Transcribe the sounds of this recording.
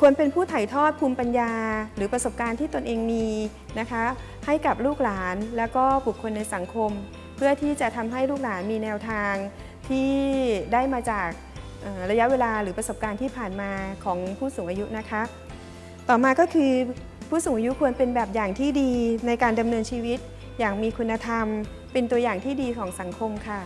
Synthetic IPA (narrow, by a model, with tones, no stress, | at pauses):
kʰu˧ənpe˧npʰuː˥˩t̪ʰa˨˩jt̪ʰɔː˥˩t̪̚pʰuː˧mpa˧njaː˧ɾɯː˩˦pɾa˧so˨˩p̚kaː˧nt̪ʰiː˥˩t̪o˧nʔeː˧ŋmiː˧ | na˦˥kʰa˦˥ | ha˥˩jka˨˩p̚luː˥˩k̚laː˩˦nlɛː˦˥wkɔː˥˩bu˨˩kʰːo˧nːa˧jsa˩˦ŋkʰo˧m | pʰɯ˥˩ɐt̪ʰiː˥˩t͡ɕa˨˩t̪ʰa˧mɦa˥˩jluː˥˩k̚laː˩˦nmiː˧nɛː˧wt̪ʰaː˧ŋ | t̪ʰiː˥˩daː˥˩jmaː˧t͡ɕaː˨˩k̚ | ʔɤː˨˩ɾa˧ja˦˥ʔweː˧laː˧ɾɯː˩˦pɾa˧so˨˩p̚kaː˧nt̪ʰiː˥˩pʰaː˨˩nmaː˧kʰɔː˩˦ŋpʰuː˥˩suː˨˩ŋʔaː˧ju˦˥na˦˥kʰa˦˥ʔ | t̪ɔː˨˩maː˧kɔː˥˩kʰɯː˧ | pʰuː˥˩suː˨˩˦ʔaː˧ju˦˥kʰu˧ənpe˧nbɛː˨˩p̚jaː˨˩ŋt̪ʰiː˥˩diː˧na˧jkaː˧nda˧mnɤː˧nt͡ɕʰiː˧wi˦˥t̪̚ | jaː˨˩ŋmiː˧kʰu˧nːa˧t̪ʰa˧m | pe˧nt̪u˧ɐjaː˨˩ŋt̪ʰiː˥˩diː˧kʰɔː˩˦ŋsa˨˩˦ŋkʰo˧mkʰa˥˩